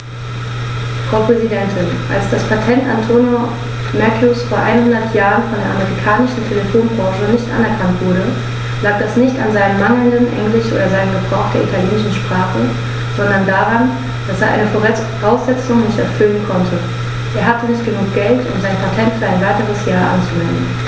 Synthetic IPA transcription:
fʁ̥aʊpʁ̥ɛzidɛntʰɪnʔa̰lsd̥aspʰatʰɛntʔantʰoːnjo | mɛkʰjusfoːɐʔa̰ɪnhʊndɐtʰjaːʁənfɔndeːɐʔa̰meʁikʰaːnɪʃn̩tʰeləfoːnbʁɑ̃ːʃənɪçtʔa̰nɛɐkʰantv̥ʊɐɾə | laːk̚d̥asnɪçtanzaɪnəmmaŋl̩ndənʔɛ̰ŋlɪʃʔo̰ːdɐzaɪnənɡəbʁaʊxtd̥eːɐʔitʰaljeːnɪʃn̩ʃpʁ̥aːχə | z̥ɔndɐndaːʁan | d̥aseːɐʔa̰ɪnəfoʁɛ | ʁaʊsz̥ɛt͡sʊŋnɪçtɛɐfʏlənkʰɔntʰə | ʔeːɐɦatənɪçtɡ̥ənuːk̚ɡ̥ɛltʔʊ̰mzaɪnpʰatʰɛntfyːɐaɪnvaɪtəʁ̞əsjaːɐʔa̰nt͡suvɛndn̩

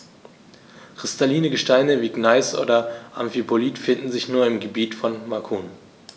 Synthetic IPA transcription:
kʁ̥ɪstaliːnəɡəʃtaɪnəviːɡnaɪsʔo̰ːdɐʔa̰mfipʰoliːtfɪndn̩zɪçnuːɐɪmɡəbiːtfɔnmakʰuːn

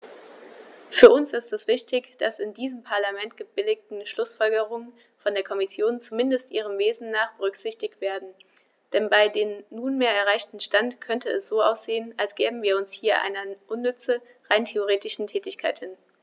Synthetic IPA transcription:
fyːɐʊnsɪstɛsv̥ɪçtɪçd̥asɪndiːzəmpʰaɐlamɛntɡ̥əbɪlɪk̚tn̩ʃlʊsfɔlɡəʁʊŋən | fɔndeːɐkʰɔmɪsjoːnt͡sumɪndəstʔiːʁ̞əmveːzn̩naːχb̥əʁʏkz̥ɪçtɪçtv̥eːɐdn̩ | d̥ɛnbaɪdeːmːuːnmeːɐɛɐʁ̞aɪçtn̩ʃtantkʰœntəɛsz̥oːʔaʊsz̥eːənalsɡ̥ɛːbm̩viːɐʊnshiːɐʔa̰ɪnɐʔʊnːʏt͡sə | ʁaɪntʰeoʁ̞eːtɪʃn̩tʰɛːtɪçkʰaɪthɪn

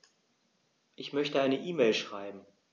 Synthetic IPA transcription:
ʔɪçmœçtəaɪnəʔiːmeːlʃʁ̥aɪbm̩

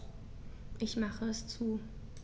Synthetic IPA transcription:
ʔɪçmaχəɛst͡suː

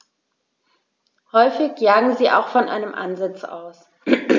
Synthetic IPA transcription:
hɔʏfɪçjaːɡŋ̩ziːʔa̰ʊxfɔnʔa̰ɪnəmʔa̰nzɪt͡sa̰ʊs

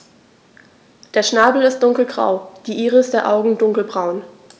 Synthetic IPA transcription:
d̥eːɐʃnaːbl̩ɪst̚d̥ʊŋkl̩ɡʁa̰ʊd̥iːʔiːʁəɪstd̥eːɐʔaʊɡŋ̩dʊŋkl̩bʁaʊn

